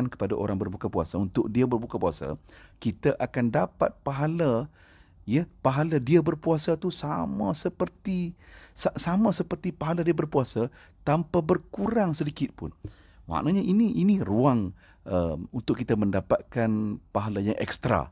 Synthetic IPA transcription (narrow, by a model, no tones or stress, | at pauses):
nkə̥padaʔo̰ɾaŋbərbukapua̰saunt̪ʊk̚diabərbukapuasa̰kit̪aʔakandapat̪̚paɦala | jəpaɦaladiabərpuasat̪usamãsəpərt̪isasamãsəpərt̪ipaɦaladiəbərpuasa | t̪ampabərkuɾaŋsədikɪt̪̚pʊ̰n | wa̰ʔnaɲaʔiniʔiniruaŋ | əunt̪ʊkːit̪aməndapat̪̚kanpaɦalajaŋʔɛ̰kst̪ɾa̰